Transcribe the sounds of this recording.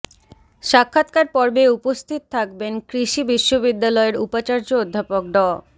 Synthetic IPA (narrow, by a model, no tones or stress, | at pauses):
ʃakʰːat̪kaɾpɔɾbeupost̪ʰit̪̚t̪ʰakbenkɾiʃibiʃːobid̪ːalɔeɾupat͡ɕaɾd͡ʑood̪ʱːapok̚ɖɔ